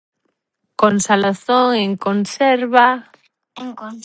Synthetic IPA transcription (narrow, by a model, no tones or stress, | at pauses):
konsalaθoŋeŋkonsɛɾβa | eŋ